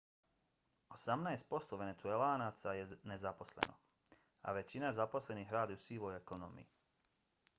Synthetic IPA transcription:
osamnajst̪̚po̞st̪oʋe̞net̪suelaːnaːt̪sajenezapo̞slḛnʔo̰ | a̰ʋe̞t͡ɕinazapo̞sle̞niɦɾaːd̪jusiːʋojekono̰mḭji

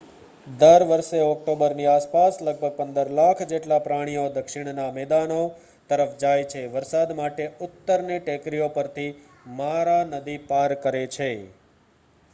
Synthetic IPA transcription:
d̪əɾʋəɾseɔk̚ʈobəɾniaspasləɡ̚bʱəɡ̚pənd̪əɾlakʰd͡ʒeʈlapɾaɽ̃ijod̪əkʃɪɽ̃namɛd̪ano | t̪əɾəfd͡ʒajt͡ʃʰeʋəɾsad̪maʈeʊt̪ːəɾneʈekɾijopəɾt̪ʰi | maɾanəd̪ipaɾkəɾet͡ʃʰe

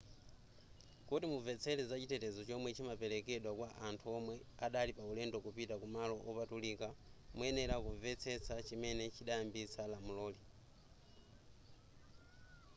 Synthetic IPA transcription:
kutimuvɛt͡sʰɛlɛzat͡ʃitɛtɛzɔt͡ʃɔmwɛt͡ʃʰimapɛlɛkɛɗwakwaʔantʰuɔmwɛaɗalipaulɛndɔkupitakumalɔʔɔpatulikamuɛnɛɾakuvɛt͡sʰɛt͡sʰat͡ʃimɛnɛt͡ʃʰiɗajambit͡salamulɔːli

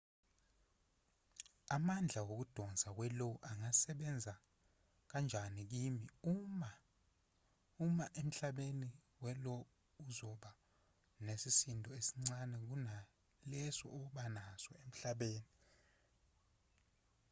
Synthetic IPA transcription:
amand͡ɮʱawok̬ud̥ʱɔnd͡zʱak̬wɛloʔaŋasɛɓɛnd͡zʱa | k̬and͡ʒʱanik̬imiuma | umaʔem̩ɬaɓeni | wɛlɔ | uzɔɓa | nesisindʱɔesi̥ŋ͡ǀanɛk̬una | lɛsɔ̰ːɓanasɔem̩ɬaɓeːni

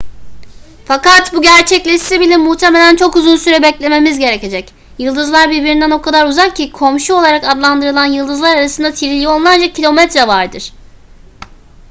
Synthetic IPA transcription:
fakat̪buɟæɾt͡ʃʰɛclʲɛʃsibilʲimmːuht̪ʰeme̞lʲænt͡ʃʰo̞kuzunsyɾɛbɛclʲe̞me̞mizɟe̞ɾece̞d͡ʒɛc | jɯlˠd̪ɯzlˠaɾbiɾbiɾind̪ænokʰad̪aɾuzakcʰikʰo̞mʃuo̞lˠaɾakad̪lˠand̪ɯɾɯlˠanjɯlˠd̪ɯzlˠaɾaɾasɯnd̪at̪ʰiɾilʲio̞nlˠaɾd͡ʒacʰilʲo̞mɛt̪ɾavaɾd̪ɯɾ̥

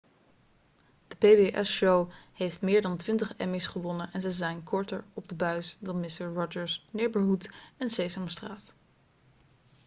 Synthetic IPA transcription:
d̥əpeʋeʔɛ̰sʃowhejftmɪːɹdɑntʋɪntəχɛ̰misχəʋɔnənʔɛnzɛzɛjnkʰɔɹtəɹɔb̚dəbœɥsdɑnmɪstəɹɹɔd͡ʒəɹsnɪɹbəɹɦutɛnsejsəmstraːt

